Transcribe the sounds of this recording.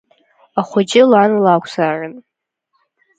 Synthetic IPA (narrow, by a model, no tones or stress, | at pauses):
aχʷʊd͡ʒʼɪlanlakʷʰsaːrɨn